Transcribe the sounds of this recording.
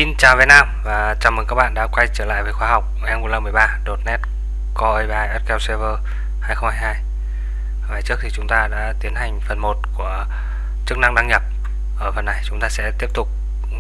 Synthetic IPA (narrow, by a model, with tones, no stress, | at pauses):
si˧nt͡ɕaː˨˩wve˨˦˩t̚naː˧mvaː˨˩t͡ɕaː˨˩məː˨˦nkaː˦˥k̚ɓa̰ː˧˨nɗa̰ː˧˥kwa˧jt͡ɕəː˧˩la̰ː˧˨jveː˨˩xwaː˧ɦa˨˩wk͡p̚ʔɛ˧mu˧˦lə˧mɨ˨˩əjɓaː˧ɗo˨˩t̚nɛ˦˥t̚ | kɔ˧ʔə˧jɓaː˧ʔɛ˦˥t̚kɛ˧wse˧vəː˧ | haː˧jxə˧ŋ͡mhaː˧jhaː˧j | vaː˨˩jt͡ɕɨ˦˥ək̚t̪ʰi˨t͡ɕʊ˨˦ŋ͡mt̪aː˧ɗa̰ː˧˥t̪i˨˦ənha˨˩jŋ̟fə˨˩nmo˨˩t̚ku˧˩ə | t͡ɕɨ˦˥ək̚na˧ŋɗa˧ŋɲə˨˩p̚ | ʔəː˧˩fə˨˩nːa˨˩jt͡ɕʊ˨˦ŋ͡mt̪aː˧sɛ̰˧˥t̪i˦˥əp̚t̪ʊ˨˩k͡p̚